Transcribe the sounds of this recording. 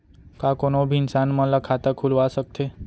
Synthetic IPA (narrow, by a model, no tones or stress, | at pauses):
kakonobʱiɪnsanməlakʰat̪əkʰulʋasək̚t̪ʰe